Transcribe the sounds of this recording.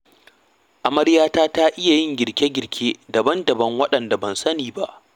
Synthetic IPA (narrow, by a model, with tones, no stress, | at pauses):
ʔa˨mɐ˦ɽjaː˦taː˦ta˦ʔɪ˦ja˨jɪ˦ŋɡʲɪ˨ɽkʲe˦ɡʲɪ˨ɽkʲʰeː˦dɐ˨bɐ˦ndɐ˨bɐ˦ŋwɐ˦ɗɐ˨nda˨bɐ˨nsɐ˦niː˨ba˦ʔ